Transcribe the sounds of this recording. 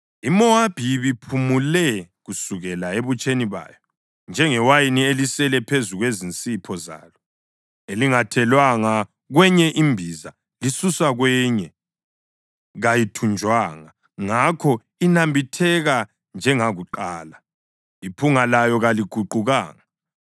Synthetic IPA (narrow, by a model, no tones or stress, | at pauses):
imɔab̥ʱiβipʰumulɛɣusuɣɛlaeβut͡ʃʼeniβa̰ːjɔ | nd͡ʒʱɛŋɛwajinielisɛlɛpʰezuɣwezint͡sʼipʰɔza̰ːlɔ | eliŋatʰɛlwaŋa | ɣwɛɲɛʔimbʱiza | lisuswaɣwɛɲɛ | ɣajitʰund͡ʒʱwaːŋa | ŋakʰɔ | inambʱitʰɛɣa | nd͡ʒʱɛŋaɣuǃaːla | ipʰuŋalajɔɣaliɡ̥ʱuǃuɣaːŋa